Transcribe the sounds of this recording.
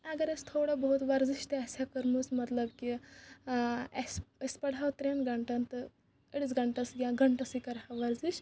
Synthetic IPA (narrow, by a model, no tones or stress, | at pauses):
ɐɡɐɾɐst̪ʰoːɽabɐɦut̪ʋɐɾd͡ziʃt̪eɐsakɐɾmusmɐt̪lɐbki | ɐsɐspɐɽɦawt̪ɾenɡɐɳʈɐnt̪ɨ | əɽisɡɐɳʈɐsɡʲãɡɐɳʈɐsikɐɾɦawʋɐɾziʃ